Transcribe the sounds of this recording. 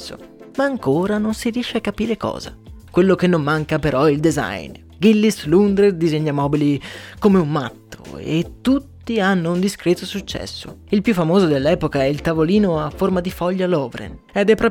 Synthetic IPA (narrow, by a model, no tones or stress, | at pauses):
o̰maːŋkoːɾanonsiɾijɛʃːeakːapiːɾekɔ̰ːza̰kwelːokenːomːaŋkapeɾʔɔild̪eza̰jn | ɡilːislund̪ɾerd̪izeɲːamɔːbilikomeumːat̪ːo̰ḛt̪ːut̪ːianːound̪iskɾɛːt̪osut͡ʃːɛ̰sːo̰ | ilpjufːamoːzod̪elːɛːpokaɛilt̪avoliːnoafːormad̪ifɔʎːalɔːvɾḛnɛd̪ɛpːɾɔː